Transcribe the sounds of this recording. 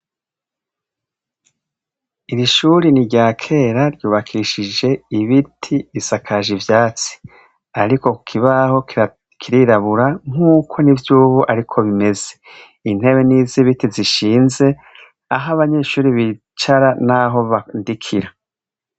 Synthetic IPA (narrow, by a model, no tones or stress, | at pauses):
iɾiʃuːɾiniɟaːkʰe̞ːɾaɾjuːβakʰiʃid͡ʒe̞iβitʰiːsakʰaʒivjaːt͡si̥ | aɾiko̞kʰiβaɦo̞k | kʰiɾiɾaβuɾaŋ̥uːkʰo̞nivjuːβuʔaɾikʰo̞βime̞ze̞̥ | in̥he̞βe̞niːziβitiziʃiːnze̞ | aɦaβaɲe̞ːʃuːɾiβi | t͡ʃaɾanaɦo̞βandikʰiɾa